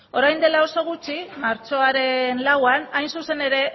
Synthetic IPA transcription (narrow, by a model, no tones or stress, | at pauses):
o̞ɾajnd̪e̞lao̞so̞ɣ̞ut͡ʃimaɾt͡ʃo̞aɾe̞nlawanajnsuse̞ne̞ɾe̞